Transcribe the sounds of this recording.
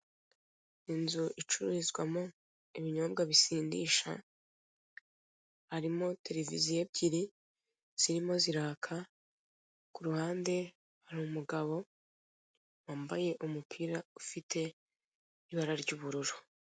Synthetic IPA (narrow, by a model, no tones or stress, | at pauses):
inzuʔit͡ʃuɾiizɡwamo | iβiɲo̞ːbɡaβisiːndḭːʃa̰ | haɾimo̞te̞ɾe̞vizije̞bɟiɾi | z̥iɾimo̞ziɾaːkʰa | kuɾuhaːnde̞ | haɾumumuɡaβo̞ | waːmbaje̞ʔumupʰiːɾaufitʰe̞ | iβaɾaɾɟuːβuɾuɾu̥